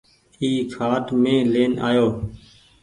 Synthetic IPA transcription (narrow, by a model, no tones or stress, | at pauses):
iːkʰaːʈmẽːleːna̰ːjoː